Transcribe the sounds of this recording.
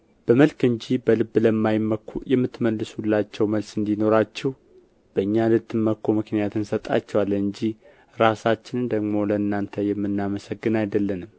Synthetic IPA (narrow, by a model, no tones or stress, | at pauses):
b̥əməlkɨɲd͡ʒibəlɨbːləmːajməkjɛmːɨt̪ːməlːɨsulːat͡ʃːɛwməlsɨnd̪ino̞ɾat͡ʃːɛh | b̥əɨɲːalɨt̪ːɨmːəkːomɨknijat̪ɨnsət̪ʼa̰t͡ʃːɛwalːɨɲd͡ʒih | ɾasat͡ʃːɪnɨnd̪əɡmo̞ləɨnːant̪ʰəjɛmːɨnːaməsəɡːɨnajd̪əlːənɨm